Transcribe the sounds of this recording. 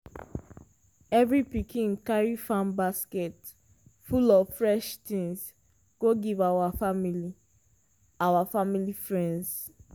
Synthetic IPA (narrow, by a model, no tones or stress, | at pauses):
ɛvɹipikĩŋkaɹifãmbaskɛt | fulɔvfɹɛʃtĩŋs | ɡ̥oɡivawafamili | awafamilifɹɛ̃nds